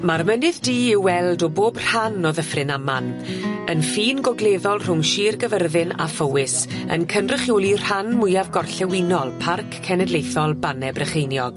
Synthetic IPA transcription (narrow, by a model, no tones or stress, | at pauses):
marmənɨðdiːɪwwɛlˠdɔboːbr̥hanɔðəfrɪnamanənfiːnɡɔɡleːðɔlˠr̥ʊŋʃiːrɡəvərðɨna̰fowɪsə̰nkʰəndrəχjoːlˠir̥hanmʊjavɡɔrɬɛwɪnɔlˠpʰarkʰːɛnɛdlˠejθɔlˠbanɛbrəχejnjɔɡ̥